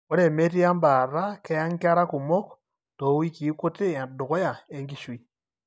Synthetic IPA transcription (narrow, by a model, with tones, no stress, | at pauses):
ku˦ɾe˨me˦ti˦a˦mba˨ɾa˦ke˦ja˦ŋka˦ɾa˦ku˨mo˦k | to˨wi˦ki˨˦ku˦te˦˨du˨ko˦ja˨e˦ŋɡi˦ʃwi˨